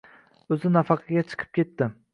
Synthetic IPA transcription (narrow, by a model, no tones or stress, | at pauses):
ɵzɪnafɑqʰɑɡʲat͡ʃʰɨ̥qʰɨ̥p̚kʲe̞t̪ːɪ